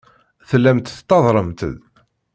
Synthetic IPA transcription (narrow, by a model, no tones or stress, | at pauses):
θəlːæmt̪θt̪ːɑðˤɾˤəmt̪ə̰ð